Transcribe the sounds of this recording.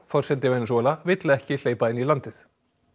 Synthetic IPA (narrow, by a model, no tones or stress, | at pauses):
fɔɾ̥sɛnt̪ɪvejnsɔːlavɪt̪laɛhcɪl̥eːjpaɪnːilant̪ɪθ